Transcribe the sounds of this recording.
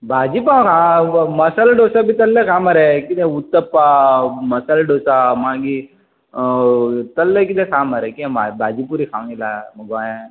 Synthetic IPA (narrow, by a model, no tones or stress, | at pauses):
bʱaːd͡ʒipãkʰamɐsalɖosabʱit̪ɐlːekʰaːmɐɾekid̪ẽut̪ːəpːamɐsalɖoːsamãːŋɡi | t̪ɐlːek̬id̪ẽkʰaːmɐɾekiẽabʱaːd͡ʒipuɾikʰãːilaɡaːjã